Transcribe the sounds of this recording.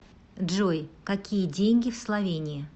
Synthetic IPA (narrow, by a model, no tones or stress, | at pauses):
ʐojkɐkʲijədʲenʲɡʲɪfslˠɐvʲenʲɪjə